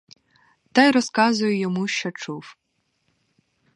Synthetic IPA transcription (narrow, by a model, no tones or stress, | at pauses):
t̪ɑjɾɔskɑzʊjʊjɔmuʃt͡ʃɔt͡ʃuw